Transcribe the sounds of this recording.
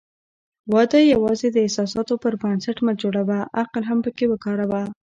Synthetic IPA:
wɑd̪əjawɑzed̪əɪhsɑs̬ɑt̪opəɾbansaʈmad͡ʒoɽawaʔaqlɦampəkewəkɑɾawa

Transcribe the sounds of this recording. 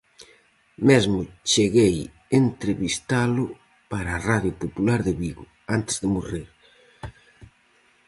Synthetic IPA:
mezmʊt͡ʃeɣej | ent̪ɾeβist̪alʊ | paɾaːraðjʊpopulaɾðɪβiɣʊ̰ | ant̪ɪ̥zðɪmoriɾ

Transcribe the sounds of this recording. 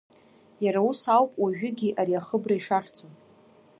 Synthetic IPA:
jaɾausawpʼwaʒᶣʏɡʲiʔaɾiaχəbraiʂaχt͡sʰʼo

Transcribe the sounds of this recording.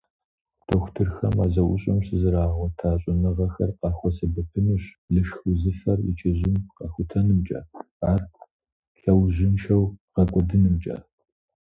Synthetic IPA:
tʰoxʷtʰɨrxɐmaːzɐʔʊɕʼɐmɕɨzɨɾaːʁʷɔtʰaːɕʼɪnɐʁɐxɐrqɑːxʷɔsɐbɐpʰɨnuɕ | ɮɨʃxʊzɨfɐrɪ̰t͡ʃʰʼɪʑɪmqɑxʷʊtʰɐnɨmt͡ʃʼɐ̰ | aːr | ɬɐwʑɪnʃɐwʁ̥ɐkʷʼɔdɨnɨmt͡ʃʼɐ̰

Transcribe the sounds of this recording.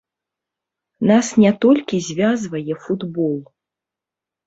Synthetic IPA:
nasnʲɛt̪ɔlʲkʲizʲvʲazvɐjɛfud̪bɔlˠ

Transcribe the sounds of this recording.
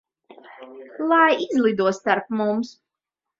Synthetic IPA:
lˠajizlˠid̪uɔst̪aɾpmums

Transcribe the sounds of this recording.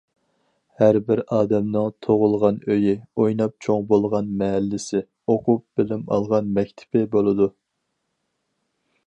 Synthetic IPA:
hæɾbɪɾɑːd̪ɛmnɨŋt̪ʰoʁʊlˠʁɑnøjɪojnɑp̚t͡ʃʰoŋbolˠʁɑnmɛɦælːɪsɪ | oqʰʊp̚b̥ɪlɪmɑ̰lˠʁɑnmɛkʲt̪ʰɪ̥pɪbolˠɨd̪u

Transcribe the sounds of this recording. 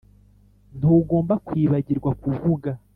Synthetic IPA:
n̥uːɡo̞ːmbakwiːβaɟiɾɡwakuvuɡa

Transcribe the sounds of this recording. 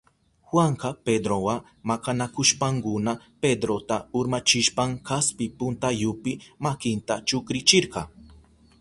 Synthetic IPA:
xwaɴqɑped̪ɾowa | makanakʊʃpaŋkʊna | ped̪ɾot̪aʊɾmat͡ʃɪʃpaŋkaspɪpʊnt̪ajʊpɪmakɪnt̪at͡ʃʊkɾɪt͡ʃɪɾqɑ

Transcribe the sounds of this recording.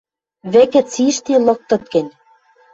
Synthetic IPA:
βĕkɘ̆t͡siʃt̪ilɤ̆k̚t̪ɤ̆t̪̚kĕnʲ

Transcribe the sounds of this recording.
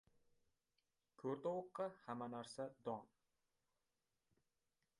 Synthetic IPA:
kʰɵɾt̪owʊqʰːɑhamanaɾsad̪ɒn

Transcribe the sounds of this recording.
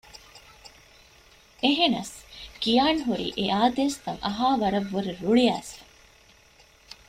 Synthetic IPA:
eɦenɐ̰skijaːnɦuɾḭːʔeʔaːd̪eːst̪ɐŋɐɦaːʋɐɾɐʋːuɾeɾuɭiæːs

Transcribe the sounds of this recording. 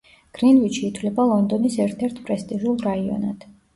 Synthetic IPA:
ɡ̥ɾinviʃʰiːt̪ʰwvlɛbalˠɔnd̪ɔnisɛɾt̪ʰɛɾt̪ʰpʼɾɛst̪ʼiʒulˠɾaiɔ̰na̰d̪̥

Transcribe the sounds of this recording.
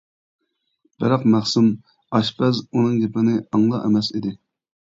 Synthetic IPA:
b̥ɪɾɑqmæχsum | ɑʃpʰɛzunɨŋɡʲepɪnɪɑŋlˠɑ̰ʔḛmɛsid̪ɪ

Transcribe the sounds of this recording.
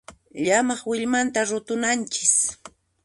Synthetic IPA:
ʎamɑχwɪʎmant̪aɾʊt̪ʊnant͡ʃɪ̥s

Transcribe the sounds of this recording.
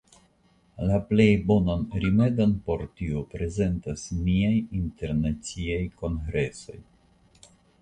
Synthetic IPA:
laple̞jbo̞nanɾime̞donpo̞ɾtiopɾe̞ze̞ntasmiajinte̞ɾnat͡siajko̞nɡɾe̞so̞j

